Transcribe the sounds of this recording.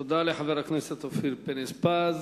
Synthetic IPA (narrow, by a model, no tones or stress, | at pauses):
d̪aliħaveɾakneset̪ofiɾpenespaz